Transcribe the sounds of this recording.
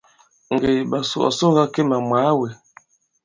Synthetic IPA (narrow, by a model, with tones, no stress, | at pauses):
ŋ̩˨ɡe˨ɓa˨sṵ˨ɔ̰˨so˦ŋ˦ɡa˦ke˦ma˨mwaː˨˦we˨